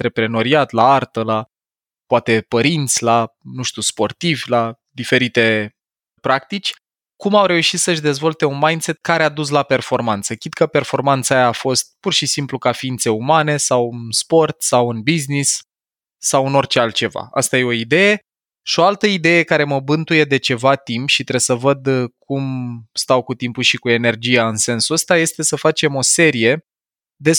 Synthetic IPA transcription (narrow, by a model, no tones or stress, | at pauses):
t̪ɾe̞pɾe̞no̞ɾiat̪laart̪əla | poat̪e̞pəɾint̪sʲlanuʃt̪uspo̞rt̪ivʲla | d̪ife̞ɾit̪e̞ | pɾak̚t̪it͡ʃʲ | kumawɾe̞uʃit̪səʃd̪e̞zvo̞lt̪e̞unmajnse̞t̪̚kaɾead̪us̬lape̞rfo̞rmant̪səkʲid̪kʰəpe̞rfo̞rmant̪saajaːfo̞st̪̚purʃisimplukafiint̪se̞umane̞sawɨnspo̞rt̪sawɨnbiznisː | awɨno̞rt͡ʃealt̪̚t͡ʃe̞va̰a̰st̪aje̞o̞id̪e̞je̞ | ʃio̞alt̪əid̪e̞je̞kaɾe̞məbɨnt̪uje̞d̪e̞t͡ʃe̞vat̪impʃit̪ɾe̞səvəd̪kumst̪awkut̪impuʃikue̞ne̞rd͡ʒijaɨnse̞nsuəst̪aje̞st̪e̞səfat͡ʃe̞mo̞se̞ɾije̞ | d̪e̞